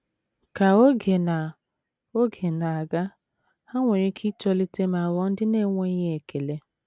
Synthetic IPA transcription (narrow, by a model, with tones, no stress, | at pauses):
ka˨o˦ɡe˨na˨ | o˦ɡe˨na˨a˨ɡa˦ | ha˦ŋʷe˨ɾi˦kʰi˦tɔ˦li˦te˦ma˨wɔ˦n̩˦dɪ˦ne˦˨ŋʷe˦i˦ɲe˦e˨kʰe˨le˦